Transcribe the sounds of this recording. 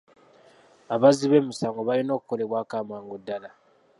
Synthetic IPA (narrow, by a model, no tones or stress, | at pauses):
aβaziβe̞ːmusaːŋɡo̞βalino̞ːku̥ko̞le̞βwaːkaːmaːŋɡodːala